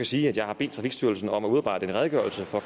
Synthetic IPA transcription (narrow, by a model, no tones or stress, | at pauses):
kʰæsiːæd̥jɑ̈ɪhɑ̈be̝̰ːd̥t͡sʰʁɑ̈fiɡ̥sd̥yɐlsn̩ɒ̽mæuðˠɑb̥ɑ̈ɪd̥əe̝nʁɛðˠɡ̥ɶɐl̩səfɒ̽